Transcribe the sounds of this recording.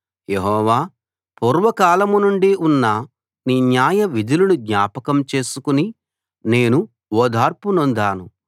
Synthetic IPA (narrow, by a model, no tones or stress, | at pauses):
jeɦɔːʋaː | puːɾʋɐkaːlɐmunuɳɖiunːɐ | niːnjaːjɐʋid̪ʱilɐnuɡ̪ɲaːpɐkɐmt͡ʃe̞ːsukuni | ne̞ːnu | ɔːd̪ʱaːɾpunond̪aːnu